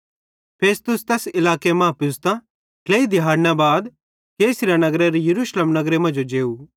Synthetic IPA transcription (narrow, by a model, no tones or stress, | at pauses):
pʰeːst̪ʊst̪ɛːsɪlaːkemɐ̃ːpɪst̪ã | kleːid̪ɪɦaːɽnabaːd̪ | keːsɪɾjanɐɡɾeɾijɐɾuːʃleːmnɐɡɾemɐ̃nd͡ʒod͡ʒeːu